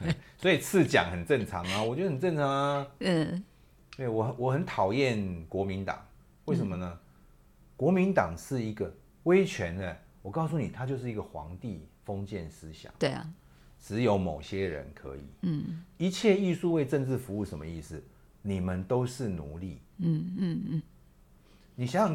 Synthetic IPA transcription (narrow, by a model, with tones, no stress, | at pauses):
te˥˩swɔ˧˥i˨˩t͡s̩ʰ˥˨t͡ɕja̰˨˩ŋhə˨˩nʈ͡ʂə˥˩ŋt͡sʰɑ˨˦ŋa˧wɔ˨˩t͡ɕjo˥˧˥d̪ə˨˩nt͡sə˥˩nt͡sʰɑ˧˦ŋ̩˦˥˩ | t̪we˥˩ɪwɔ˨˩˨wɔ˨˩xə˧˨˦nt̪ʰɑ˨˩ʊjɛ˥˩nkwɔ˧˥mi˧˦˥nt̪ɑ̰˨˩˦ŋ | we˥˩ɪʂə˧˦mə˧nə˧˦ | kwɔ˧˥mi˨˦˥nt̪ɑ˨˩ŋʂɻ̩˥˩i˧˥ɡə˨ | we˥ɪt͡ɕʰɥɛ˨˧˥nd̪ə˧ | wɔ˨˩kɑ˥˧ʊsu˥˩ni˨˩t̪ʰa˦t͡ɕjo˥˧ʊʂ̬̩˥˩i˧˥ɡə˨xwɑ̰˧˦ŋt̪i˥˨fo˦ŋt͡ɕjɛ˥˨nsɹ̩˦ɕjɑ̰˨˩˦ŋe˥˩ | ʈ͡ʂɻ̩˧˦jo˧˥ʊmo˨˩ʊɕjɛ˦ɻə̰˧˦nkʰɤ̰˧˦ḭ˨˩˦i˧˦t͡ɕʰjɛ˥˧i˥˧su˥˧we˥˧ɪʈ͡ʂə˥˧ŋʈ͡ʂɻ̩˥˨fu˧˦u˥˩ʂə˧˦nmə˧i˥˩s̩˨˩ | ni˨˩mə˨nt̪o˥ʊʂɻ̩˥˩nṵ˧˦li˥˩˨ | ni˨˩ɕja˦˨